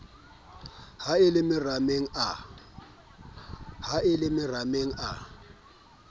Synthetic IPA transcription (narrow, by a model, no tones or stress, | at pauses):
haɪlɪmɪrameŋ̩a | haɪlɪmɪrameŋ̩ʔa̰